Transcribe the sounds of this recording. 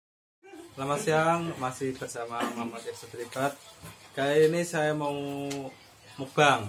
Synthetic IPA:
lamasiaŋmasɪhb̥ərsamamamat̪̚ak̚sat̪lipat̪̚kaainisajamau | mub̥aŋ

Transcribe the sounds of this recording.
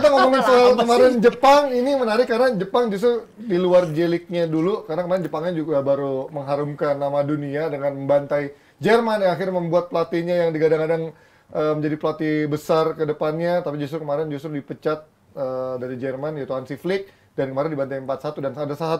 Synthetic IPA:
t̪aŋomoŋanfoɦalkəmaɾɛnd͡ʒəpaŋinimənaɾɪkːarnad͡ʒəpaŋd͡ʒus̬t̪ɾu | diluard͡ʒelɪk̚ɲadulukaɾnakəmaɾɪnd͡ʒəpaŋɲad͡ʒuɡabaɾuməŋɦaɾumkanːamaduniadəŋanməmbant̪aj | d͡ʒɛrmanjaŋaxɪrɲaməmbuat̪̚plat̪iɲajaŋdiɡadaŋadaŋ | ʔəməɲd͡ʒadipəlat̪ibəsarkədəpanɲat̪apid͡ʒust̪ɾukəmaɾɛnd͡ʒust̪ɾudipət͡ʃat̪̚ | ədaɾid͡ʒɛrmanjat̪uɦansiflɪk̚ | dankəmaɾɪndibant̪ajəmpat̪̚sat̪udanadasaɦat̪

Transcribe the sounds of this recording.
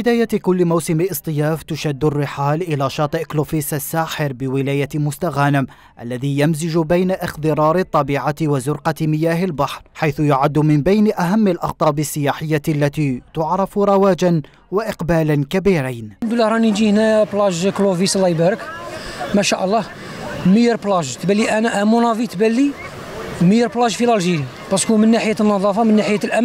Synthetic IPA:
bɪd̪aːjakʊlːmawsɪmɪʔɨsˤt̪ˤɨjaːft̪ʊʃad̪ːʊrːɪħaːlʔɪlæʃɑːt̪ˤɨʔklofisasːaːħɪɾbɪwɪlaːjamʊst̪aɣanɪm | ʔalːæðijamzɪd͡ʒʊbajnaʔɪxd̪ɨɾˤɑːɾˤɪt̪ˤːɑbiːʕat̪wazʊɾqɑt̪mɪjaːhɪlbaħɾˤħajθʊjʊʕad̪ːmɪnbajnʔaɦamːalʔɑxt̪ˤɑːbɪsːɪjaːħɪjːalːat̪it̪ʊʕɾˤɑfɾˤɑwæd͡ʒan | waʔɪqbælankæbiɾijnnd̪ulːəhɾˤɑnid͡ʒihnæplɑʒkluvislːɑjbəɾəkmæʃæʔəlˤːɑ | məjəɾplɑʒt̪bælːiʔænæʔæmunɑvit̪bælːi | məjəɾblɑʒfilɑlʒiɾi | bɑskumənːaħəjænːɑðˤɑfɑmənːaħəjælʔæm

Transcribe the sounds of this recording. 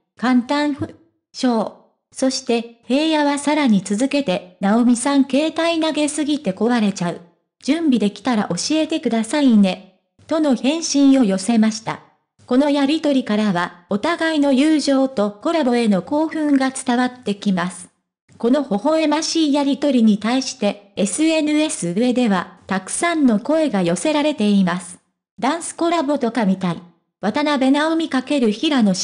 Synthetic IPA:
kãnt̪ãɰ̃ | ɕo̞ː | so̞ɕi̥t̪e̞he̞ːjaβasaɾaɲ̟it͡sɨzɨke̞t̪e̞nao̞mʲisãŋke̞ːt̪ainaɡe̞sɨɡʲit̪e̞ko̞βaɾe̞t͡ɕaɯ̟ | d͡ʑ̥ɨ̃mbʲid̪e̞kʲi̥t̪aɾa̰ʔo̞ɕie̞t̪e̞kɯ̟d̪asaine̞ | t̪o̞no̞çẽ̞ɰ̃ɕĩɰ̃o̞jo̞se̞maɕi̥t̪a̰ | ko̞no̞jaɾʲit̪o̞ɾʲikaɾaβao̞t̪aɡaino̞jɯːʑo̞ːt̪o̞ko̞ɾabo̞e̞no̞ko̞ːɸɯ̟̃ŋɡat͡sɨ̥t̪aβat̪ːe̞kʲimasɨ̥ | ko̞no̞ho̞ho̞e̞maɕiːjaɾʲit̪o̞ɾʲiɲ̟it̪aiɕi̥t̪e̞esɨe̞nɯ̟e̞sɨɯ̟e̞d̪e̞βat̪akɯ̟̥sãnːo̞ko̞e̞ɡajo̞se̞ɾaɾe̞t̪e̞imasɨ̥ | d̪ãɰ̃sɨ̥ko̞ɾabo̞t̪o̞kamʲit̪aḭ | βat̪anabe̞naomʲikake̞ɾɯ̟çiɾano̞

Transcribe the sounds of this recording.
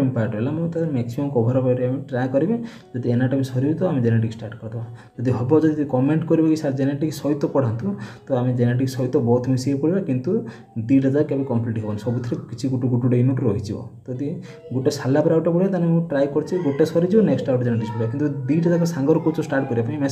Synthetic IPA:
mpaʈɔbelamũt̪ad̪ɾmeksimɔmkɔbʱɔɾɔpajʈeamiʈɾajkɔɾibe | d͡ʒɔd̪ienaʈɔbisɔɾibit̪ɔamĩd͡ʒeneʈ̬iksʈaɾʈkɔɾd̪ʰɔba | d͡ʒɔd̪iɦɔbɔd͡ʒɔd̪ikɔmeɳʈkɔɾibakisad͡ʒeneʈiksɔjt̪ɔpɔɽ̤ant̪ũt̪ɔamid͡ʒeneʈ̬iksɔjt̪ɔbɔt̪ʰmisebkɔɽibakint̪u | d̪iʈɔd̪akebikɔmpliʈɦebɔnsɔbut̪ʰɾekit͡ʃʰiɡuʈuɡuʈuɖeinuʈuɾɔɦit͡ʃʰibɔ̰t̪ɔd̪i | ɡuʈesalːapɔɾawʈepɔɽiat̪anemũʈɾajkɔɾt͡ʃʰiɡoʈesɔɾid͡ʒibɔneksʈawʈd͡ʒeneʈ̬ikspɔɽibakint̪ud̪iʈɔd̪ak̬ɔsaŋɡɔɾɔkut͡ʃɔsʈaɾʈ̚kɔɾibapaĩme

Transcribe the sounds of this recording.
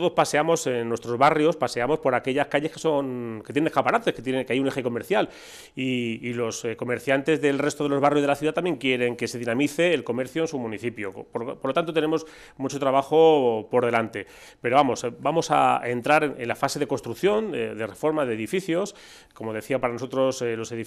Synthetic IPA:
t̪oðo̞spase̞amo̞senːwe̞st̪ɾo̞zβarjo̞spase̞amo̞spo̞ɾake̞ʎaskaʎe̞skeso̞ŋkejennekapaɾat̪e̞sket̪jekeajune̞xe̞ko̞me̞ɾθjal | iːlosko̞me̞ɾθjant̪e̞zðe̞lre̞st̪oðelo̞zβarjo̞zðelaθjuðat̪amje̞ŋkje̞ɾe̞ŋke̞se̞ðinãmiθe̞ːlko̞me̞ɾθjoensumũniθipjopoɾlot̪ant̪ot̪ene̞mo̞s | mut͡ʃo̞t̪ɾaβaxo̞po̞ɾðe̞lant̪e̞ | pe̞ɾo̞βamo̞sbamo̞sa̰ent̪ɾaɾeḛnlafase̞ðe̞ko̞nst̪ɾukθjo̞nd̪e̞re̞fo̞ɾmaðe̞ːðifiθjo̞s | ko̞mo̞ðe̞θiapaɾanoso̞t̪ɾo̞slo̞seði

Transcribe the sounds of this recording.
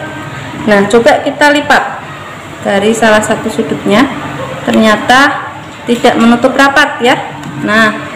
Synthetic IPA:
naht͡ʃobakit̪alipat̪̚ | d̥aɾisalahsat̪usudʊp̚ɲat̪ərɲat̪a | t̪id̥aʔmənut̪ʊprapat̪̚ja | nah

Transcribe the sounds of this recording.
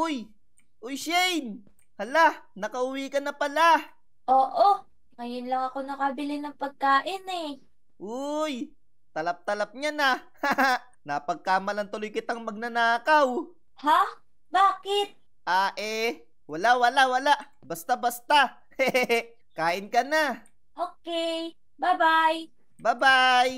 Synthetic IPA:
ʔʊj | ʔʊjʃɛjn | hɐlaʔnɐkɐʔʊwiːkɐnːɐpɐla | ʔoːʔo | ŋɐjʊnlɐŋɐko̞nɐkɐbɪlɪnɐŋpɐɡ̚kaːʔɪnɛ | ʔʊj | t̪ɐlɐp̚t̪ɐlɐp̚ɲanɐ | a | nɐpɐɡ̚kaːmɐlɐnt̪ʊlojkɪt̪aŋmɐɡ̚nɐnaːkaw | ha | baːkɪt̪̚ | ʔaːʔɛ | wɐlawɐlawɐlaʔ | bɐst̪abɐst̪a | ɛ | kaːʔɪnkɐna | ʔoːkɛ | babaj | babaj

